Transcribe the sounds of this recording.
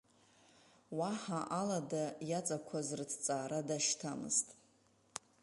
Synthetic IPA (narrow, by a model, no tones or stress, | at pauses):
waħaʔaladajat͡sʼakʷʰazrtʰt͡sʼaːɾadaʃtʰamɨ̰ztʼ